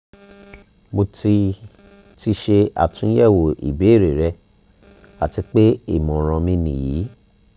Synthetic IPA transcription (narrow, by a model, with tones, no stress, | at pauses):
mo˧ti˧ | ti˧ʃe˧a̰˨tũ˨˦jɛ˦˨wo˨ʔḭ˨be˨˦˨ɾe˨ɾɛ˧ | a̰˨ti˧k͡pe˦ḭ˦˨mɔ̃˨ɾ̃ɔ̃˧mĩ˧nĩ˨jiː˨˦